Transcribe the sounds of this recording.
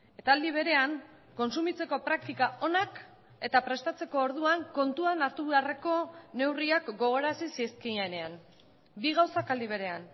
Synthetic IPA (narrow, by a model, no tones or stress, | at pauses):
e̞t̪aːld̪iβ̞e̞ɾe̞aŋ | ko̞nsumit͡se̞ko̞pɾak̚t̪ikaʔo̞nak | e̞t̪apɾe̞st̪at͡se̞ko̞ːɾðuaŋko̞nt̪uanaɾt̪uβeare̞ko̞ne̞wriakɡo̞ɣ̞o̞ɾasisieskijaene̞an | biɣawsakald̪iβ̞e̞ɾe̞an